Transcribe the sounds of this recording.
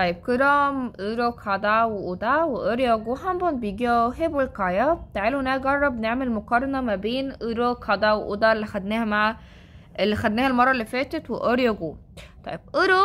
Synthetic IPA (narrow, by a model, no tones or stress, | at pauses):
t̪ˤɑjːeb̚keɾɑːmʔeɾokħɑd̪ˤɑweʔud̪ɑweʔoɾjɑɡohæmbonbejɡiɦebelkɑjɑt̪aʕaːlunæɡɑrˤːɑbneʕmelmokɑɾˤɑnɑmæbeːnʔeɾokħɑd̪ˤɑweʔud̪ɑlːixæd̪næːhæmaʕa | ʔelːixæd̪næːhælmɑrˤːɑlːifæːt̪et̪weʔoɾjɑɡot̪ˤɑ̰jeb̥̚ʔoɾo